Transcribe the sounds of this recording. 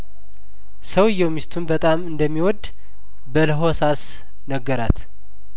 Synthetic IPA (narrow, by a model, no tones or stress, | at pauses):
səwjːɛwmist̪ʰunbət̪ʼamɨnd̪əmːiwɔd̪ | bələɦosas | nəɡːəɾat̪